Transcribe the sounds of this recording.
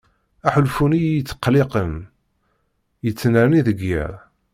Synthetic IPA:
æħəlfunijət͡sːə̥qːlɪqəm | jət͡sːnəɾniðəɡːɪ̰ɾˤ

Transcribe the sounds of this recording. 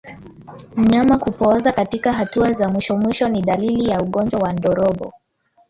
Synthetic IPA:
m̩ɲamakupɔzakatikaɦatuazamwiʃɔmwiʃɔniɗalilijauɠɔnd͡ʒwawandɔɾɔɓɔ̰

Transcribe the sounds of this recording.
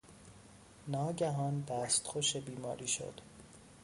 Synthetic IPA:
nɒːɟæɦɒːnd̪æːst̪xoʃebiːmɒ̰ːɾiːʃo̰d̪̥

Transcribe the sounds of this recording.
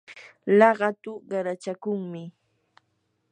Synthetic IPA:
lɑɢɑt̪ʊɢɑɾat͡ʃakʊŋmɪ

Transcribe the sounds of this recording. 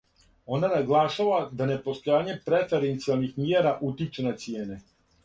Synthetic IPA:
o̞nanaɡlˠaʃaʋad̪ane̞po̞st̪o̞jaːɲe̞pɾe̞fe̞ɾe̞nt̪sialˠnixmjeːɾaʔut̪it͡ʃenat̪sijeːne

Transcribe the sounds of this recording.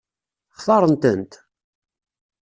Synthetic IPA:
χθɑɾˤənt̪ənt̪

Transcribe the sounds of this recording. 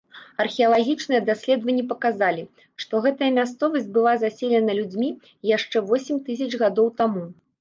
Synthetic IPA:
ɐrxʲiɐlˠaɣʲit͡ʂnɨjɐd̪asʲlʲɛd̪vɐnʲːɛpɐkazalʲi | ʂt̪ɔɣɛt̪ɐjɐmʲast̪sɔvɐsʲt͡sʲbɨlˠazasʲelʲɛnɐlʲud͡zʲmʲi | jaʂt͡ʂɛvɔsʲɪmʲt̪ɨsʲɐd͡ʐɣad̪ɔwt̪amu

